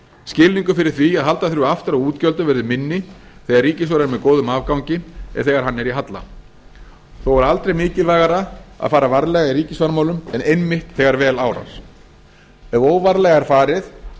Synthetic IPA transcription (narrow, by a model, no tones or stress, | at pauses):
scɪliŋkʏfɪɾɪ̥θviaðɦalt̪aθɾʏaft̪ɪɾawuːt̪cœlt̪ʏvɛɾðʏmɪnːɪθɛːɣarriːcɪsvaɾaɾmɛðkoːwðʏmaːvkawŋcɪɛ̰ðθɛːɣaɾ̥ɦanːɛɾiɦat̪la̰ | θowɛɾalt̪ɾejmɪːcɪlvaːɣaɾaa̰ðfaːɾavaɾlɛɣaiɾiːcɪsvaɾmaːwlʏmɛnejmːɪht̪θɛɣaɾvɛːlaːwɾa̰s | ɛoːwvaɾlɛɣaɛɾ̥faːɾɪθ